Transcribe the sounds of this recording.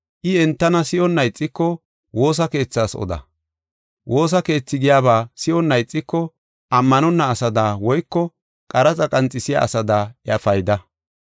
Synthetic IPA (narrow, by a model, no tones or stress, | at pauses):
ʔɪɛnt̪ːɐnɐsɪjɔnːɐjt͡sʼːɪkːɔ | wo̞ːs̬ɐke̞ːt͡sːaːsɔ̰d̪ɐ̰ | wʔo̞ːs̬ɐke̞ːt͡sːɪɡɪjaːβaːsɪɔnːɐjt͡sʼːɪkːɔ | ʔɐmːɐnɔnːɐːsɐd̪aːwɔjkːɔ | kʼɐɾɐt͡sʼɐkʼɐnt͡sʼːɪsɪja̰ːsɐd̪aːɪɐfɐjd̪ɐ